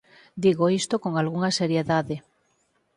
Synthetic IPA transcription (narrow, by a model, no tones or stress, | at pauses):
d̪iɣoist̪okoŋalɣuŋaseɾjeðaðe